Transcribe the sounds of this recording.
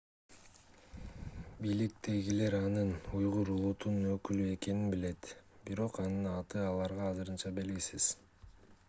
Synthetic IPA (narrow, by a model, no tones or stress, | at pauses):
bijlik̚t̪e̞ɡile̞ɾɑnɯnujʁuɾulˠut̪unnø̞kylye̞ke̞ninbile̞t̪biɾo̞qɑnɯnɑt̪ɯɑlˠɑɾʁɑːzɯɾɯnt͡ʃɑbe̞lɡisiz̥